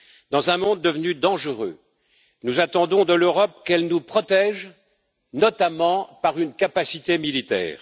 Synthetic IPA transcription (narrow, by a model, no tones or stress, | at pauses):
d̪ɑ̃zɛ̃mɔ̃d̪ːəvnyd̪ɑ̃ʒəʁø̰ | nuzat̪ɑ̃d̪ɔ̃d̪əløʁɔp̚kɛlnupχɔt̪ɛʒ | nɔt̪amɑ̃paʁynkapasit̪emilit̪ɛ̰ːʁ